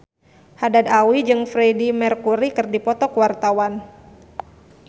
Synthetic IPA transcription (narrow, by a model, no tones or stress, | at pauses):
hadad̪awid͡ʒɨŋfɾedimɛrkuɾikɨrdipɔt̪ɔkwart̪awan